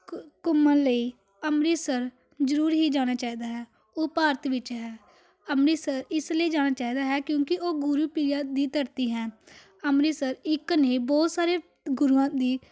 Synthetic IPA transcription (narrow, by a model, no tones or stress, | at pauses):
kʊmːãːləiː | əmɾiːsəɾ | zəɾuːɾɦiːd͡ʒaːɽ̃aːt͡ʃaːiːd̪aːɦɛː | oːpaːɾət̪ʋɪt͡ʃɦɛː | əmɾiːsəɾɪsləiːd͡ʒaːñaːt͡ʃaːɦiːd̪aːɦɛːkjõːkɪʔoːɡʊɾuːpiːjãːd̪iːt̪əɾt̪iːɦɛ̃ː | əmɾiːsəɾɪkneːbɔːt̪saːɾeː | ɡʊɾuːãːd̪iː